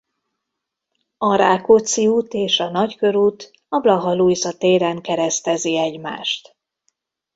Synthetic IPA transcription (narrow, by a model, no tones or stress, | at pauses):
ɒɾaːkut̪siuːt̪eːʃɒnɒckø̞ɾuːt̪ | ɒblɒɦɒlujzɒt̪eːɾaŋkɛɾɛst̪ɛziɛɟma̰ːʃt̪